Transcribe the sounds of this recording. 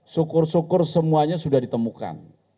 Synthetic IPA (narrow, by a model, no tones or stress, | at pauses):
sukʊrsukʊrsəmuaɲasudahdit̪əmuka̰n